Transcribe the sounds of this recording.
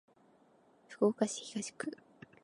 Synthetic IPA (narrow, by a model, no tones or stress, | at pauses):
fɯ̥koːkaɕi̥hiɡaɕi̥kɯ